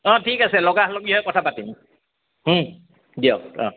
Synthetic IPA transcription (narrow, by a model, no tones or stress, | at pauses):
ɔ̃tʰikasɛlɔɡahloɡiɦɔjkɔtʰapatim | h̩ | dio̰kɔ̰̃